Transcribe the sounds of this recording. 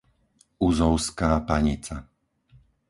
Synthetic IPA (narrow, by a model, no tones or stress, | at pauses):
uzɔʊskaːpaɲit͡sa